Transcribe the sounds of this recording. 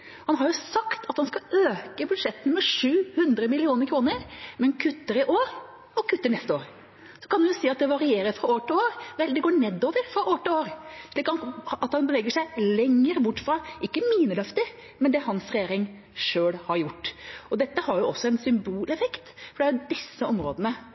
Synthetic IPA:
hɑnɦɑɾjʊsɑkt̪ʰɑt̪hɑnskɑøːkəbʉd̪ʂɛt̪ːənəmɛʂʉːhʉnd̪ɾəmɪlɪuːnəɾkʰɾuːnəɾmɛnkʰʉt̪ːəɾɪʔoːɾ | ɔkʰʉt̪ːəɳɛst̪əoːɾ | sɔ̥kʰɑnd̪ɛnjʊsiːɑt̪̚d̪ɛʋɑɾɪeːɾəɾfɾɑoːʈɪloːɾʋɛld̪ɛɡoːɳɛd̪ːoːʋəɾfɾɑʔoːʈɪloːɾʂɭiːknɑt̪hɑnbəʋɛːɡəʂæɪlɛŋːəɾbʊʈːfɾɑːʔɪkːəmiːnəlœft̪ɪ | mɛnd̪ɛhɑnsɾɛjeːɾɪŋ | ʂøːlhɑɾjʊʈːɔd̪ɛt̪ːəhɑɾjʊɔsːɔɛnsʏmbuːlɛfɛkt̪fɔɖɛæjʊd̪ɪsːəɔmɾoːd̪ənə

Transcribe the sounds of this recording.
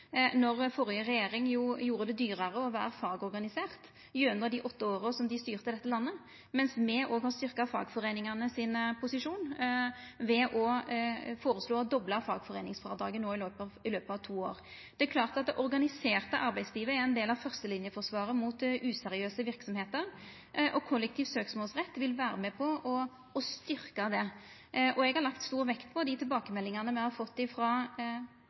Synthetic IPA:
nɔʁfɔɾɪjəʁɛjeːɾɪŋjuːjuːɾəd̪ɛd̪yːʁɑʁəɔʋæ̰ːɾəfɑːɡɔɾɡɑnɪseːʁt̪ | jʉʉnd̪əʁd̪ɪʔɔt̪ːəoːʁɔsɔmd̪ɪst̪yːʁt̪əd̪ɛt̪ːəlɑnːə | mɛnsmɛʔoːɡhɑːst̪ʏʁkɑfɑ̰ːɡfɔʁeːnɪŋɑnəsɪnpʰʊsɪʂuːn | ʋɛʔɔ | foːɾəsloːɔd̪ɔblɑfɑ̰ːɡfɔʁeːnɪŋsfʁɑːd̪ʁɑ̰ːɡənːoːɪløːpɪløːpəɑʋt̪ʰuːo̰ːʁ | d̪̥ɛæklɑːʁt̪ɑt̪̚d̪ɛʔɔɾɡɑnɪseːʁt̪əʔɑɾbæɪsliːʋəæɛnd̪eːlɑʋfœʁst̪əlɪnjəfɔʁsʋɑːɾəmuːt̪ʔʉːsɛɾɪøːsəʋɪɾksɔmheːt̪əɾ | ʔɔkʰɔlːɛk̚t̪ʰiːʋsøːksmoːlsʁɛt̪ːʋɪlʋæːɾəmɛpʰɔʔɔ | ɔst̪ʏɾkɑd̪ɛ | ʔɔɛɡhɑɾlɑkt̪st̪uːɾʋɛkt̪pʰɔd̪ɪt̪ʰɪlbɑːkəmɛlːɪŋɑnəmɛhɑɾfɔt̪ːɪfɾɑ

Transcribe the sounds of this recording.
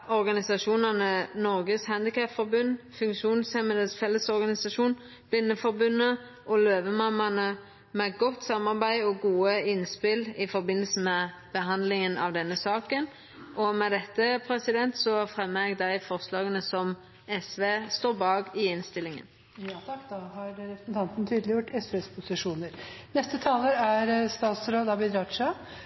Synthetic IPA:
ɔɾɡɑnɪsɑʂuːnɑnənɔɾɡəshænd̪ɪkʰɑpfɔɾbʉnːfʉŋkʃuːnsɛməd̪əsfɛlːəsɔɾɡɑnɪsɑʂuːn | b̥lɪnːəfɔɾbʉnːə | ʔɔløːʋəmɑmɑnə | mɛɡɔt̪ːsɑmɑʁbæɪɔɡuːəɪnspɪlɪfɔɾbɪnːəlsəmɛ | b̥əɦɑnd̪lɪŋənʔɑ̰ʋd̪ɛnːəsɑːkən | ʔɔmɛd̪ɛt̪ːəpʰɾɛsɪd̪ɛnt̪sɔfɾɛmːəɛɡ̚d̪æɪfɔɾslɑːɡənəsɔm | ɛsʋeːst̪oːbɑːɡɪɪnst̪ɪlɪŋə̰n | jɑt̪ʰɑkːd̪ɑhɑɾɾɛpɾə̥sn̩t̪ɑnt̪n̩t̪ʰyːd̪lɪjʊʈːɛsʋeːspʰʊsɪʂuːnəɾnɛst̪ət̪ʰɑːləɾæɾst̪ɑːt̪sɾoːd̪ɑːʋɪd̪ɾɑʂɑ

